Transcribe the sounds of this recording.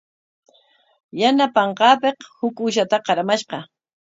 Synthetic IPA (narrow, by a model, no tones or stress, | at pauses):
janapɑɴqɑːpeqhʊkʊʃat̪aqɑɾamaʃqɑ